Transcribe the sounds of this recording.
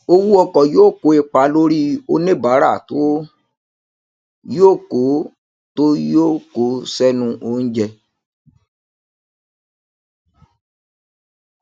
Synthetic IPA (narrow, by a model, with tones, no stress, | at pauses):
o˧wu˦ɔ˧kɔ˨joː˦˨ko˨˦e˧k͡pa˨˦lo˦ɾi˦o˦nẽ˦˨ba˨˦ɾa˦˨to˨˦ | joː˦˨ko˨˦ | to˦jo˦˨ko˨˦sɛ˦nũ˧ʔo˧˦ñ̩˦d͡ʒɛ˧